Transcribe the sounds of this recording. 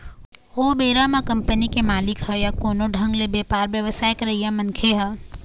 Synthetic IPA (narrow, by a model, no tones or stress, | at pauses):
ɦoːbeːɾamãkɐ̃mpənikemaːlɪkɦəjakoːnoɖʱə̃ŋɡlebeːpaːɾʋjɐʋəsaːjkɾɐɦijamɐnkʰeɦə